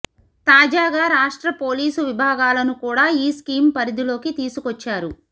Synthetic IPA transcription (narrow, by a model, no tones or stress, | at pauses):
t̪aːd͡ʒaːɡaːɾaːʂʈɾɐpo̞ːliːsuʋibʱaːɡaːlɐnukuːɽaːiːskiːmpɐɾid̪ilo̞ːkit̪iːsukɔt͡ʃːaːɾu